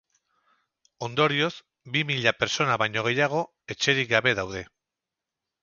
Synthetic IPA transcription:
o̞nd̪o̞ɾio̞z | bimiʎapeɾt͡so̞naβajɲo̞ɣ̞e̞jaɣ̞o̞ | e̞t͡ʃe̞ɾik̚ɡaβe̞ðawðe̞

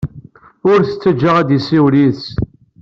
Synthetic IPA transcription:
ʊɾθət͡sːəd͡ʒːəʁæd̪jisiwliθs

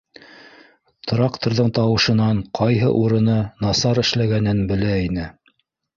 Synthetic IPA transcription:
t̪ɾɑkt̪ŏɾðɤɴt̪ɑwɤ̆ʃɤ̆nɑɴqʰɑjɦɤ̰ʔuɾɤ̆nɤnɑsɑɾɘ̆ʃlæɡænɘnbɘ̆læinɘ

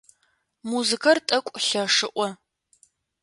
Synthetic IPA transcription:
muzɨkʰɐrtʼɐkʷʼɬɐʂɨʔʷɔ

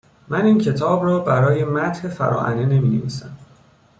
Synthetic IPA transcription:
mæniːncʰe̞t̪ʰɒːbrɒːbæɾɒːje̞mæt̪he̞fæ̰ɾɒ̰ːʔæ̰nene̞miːnḛvḭːsæm

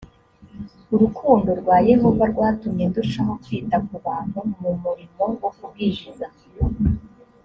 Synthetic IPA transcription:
uɾukʰuːndo̞ɾɡwaːje̞ɦo̞vaɾɡwaːtumɲenduʃaɦokwiːtakuβaːn̥humumuɾimo̞wokubɡiːʒiza

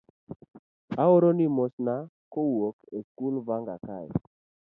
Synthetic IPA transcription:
aoɾonimosna | kowokekulvaŋɡa̰kaj

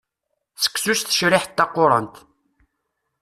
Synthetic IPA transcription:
sə̥kːsust̪ə̥ʃɾɪħt̪ːɑqːʊɾˤə̰nt̪

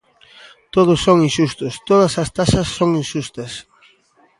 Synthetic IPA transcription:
t̪oð̞ʊsːoŋinʃust̪ʊst̪oð̞ɐsɐst̪asɐsːoŋinʃust̪ɐs

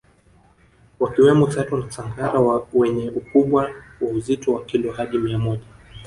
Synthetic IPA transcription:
wakiwɛmɔtatɔnasaŋɡaɾawwɛɲɛʔukuɓwawauzitɔwakilɔhaɗimiamɔʄa

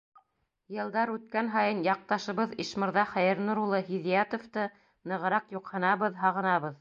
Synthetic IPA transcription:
jɤ̆lˠd̪ɑɾʉt̪̚kænɦɑjɤnjɑq̚t̪ɑʃɤ̆βɤðiʃmɤ̆ɾðɑχæjɘ̆ɾnuɾulˠːɤɦiðijat̪ŏft̪ɤ | nɤ̆ʁɤ̆ɾɑqjuqhɤ̆nɑβɤðɦɑʁɤ̆nɑβɤð

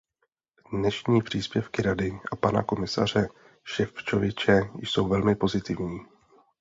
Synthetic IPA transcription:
dnɛʃɲiːpr̝̥iːspjɛfkɪɾadɪʔapana̰ko̞mɪsa̰r̝ɛ | ʃɛft͡ʃovɪt͡ʃɛjjso̞wvɛlmɪpo̞zɪt̪ɪvɲiː

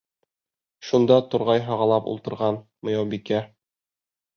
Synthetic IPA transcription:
ʃund̪ɑt̪ŏɾʁɑjɦɑʁɑlˠɑpṵlˠt̪ɤ̆ɾʁɑn | mŏjɑwbikæ

